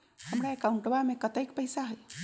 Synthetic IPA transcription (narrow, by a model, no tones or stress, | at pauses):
həmɾaekaũɳʈbamekət̪əjkpəjsaɦəj